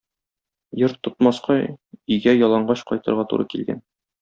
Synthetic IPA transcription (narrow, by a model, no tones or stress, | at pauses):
joɾt̪ːŏt̪mɑsqɑɵɡæjɒlˠɑɴɢɑɕqɒjt̪ɤ̆ɾʁɑt̪ṵɾʔɤkilɡæ̰n